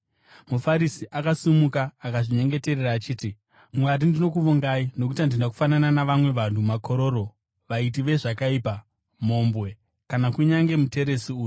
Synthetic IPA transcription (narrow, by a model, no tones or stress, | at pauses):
mufaɾisiʔakasumukaːkaʐiɲe̞ŋɡe̞te̞reraːt͡ʃiːti | mwaɾindino̞kuʋoŋɡaino̞k̬utandindaku̥fanananaʋamwe̞ʋan̤umakʰo̞ɾo̞ːɾo | ʋait̬iʋe̞ʐakaiːpa | mo̞mbwe̞ | kanakuɲaŋɡe̞mute̞ɾesiuːju